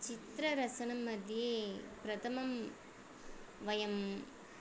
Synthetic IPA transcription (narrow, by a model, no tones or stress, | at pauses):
t͡ʃɪt̪ɾɐɾɐsɐnɐmːɐd̪ijeːpɾɐt̪ʰɐmɐm | ʋɐjɐm